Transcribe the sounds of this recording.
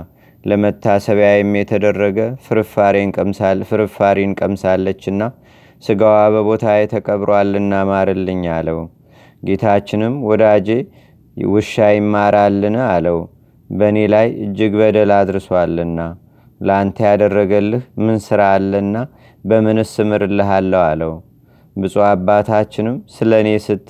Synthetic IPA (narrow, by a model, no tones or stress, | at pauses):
ləmət̪ʰːasəβjajɛmːjɛt̪ʰəd̪ərːəɡəfɨɾfaɾekʼəmsafɨɾɨfaɾenkʼəmsalːət͡ʃːɨnːa | sɨɡawaβəβo̞t̪ʰajɛt̪ʰəkʼəβɾwalːɨnːamaɾɨlːɨɲːaləw | ɡet̪ʰat͡ʃːɪnɨmwɔd̪ad͡ʒe̞ | wɨʃːajɪmːaɾalːɨnaləw | bəne̞lajɨ̰d͡ʒːɪɡbəd̪əlad̪ɾɨswalːɨnːa | ləant̪ʰjad̪ərːəɡəlːɨhmɨnsɨɾaːlːənːa | bəmɨnɨsɨmɨɾlːɨɦalːəwaləw | bɨsʼuabːat̪ʰat͡ʃːɪnɨmsɨləne̞sɨt̪ʼː